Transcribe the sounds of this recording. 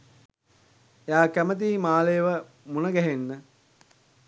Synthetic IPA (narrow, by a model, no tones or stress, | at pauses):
jaːkæmət̪̬iːmaːlejəʋə | munəɡæɦenːə